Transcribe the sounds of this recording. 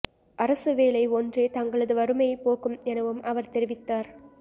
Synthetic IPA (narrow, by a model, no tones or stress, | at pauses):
ʔɐɾɐsɯʋeːlɐɪɔndreːt̪ɐŋɡɐɭɐðɯʋɐɾɯmɐjɐɪpoːkɯmɛnɐʋɯmʔɐʋɐɾt̪ɛɾɪʋɪt̪ːaːɾ